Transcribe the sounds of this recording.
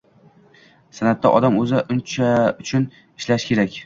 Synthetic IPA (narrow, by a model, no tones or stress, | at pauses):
sanat̪ːa̰ʔɒd̪amɵzɪʔʊnt͡ʃʰaʊt͡ʃʰʊn | ɪʃlaʃkʲe̞ɾakʲ